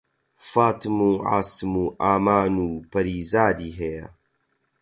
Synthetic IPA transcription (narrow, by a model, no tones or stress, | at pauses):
faːt̪ʰɨmuːʕa̰ːsmuʔaːmaːnuːpʰɐɾiːzaːd̪iːɦejɐ̰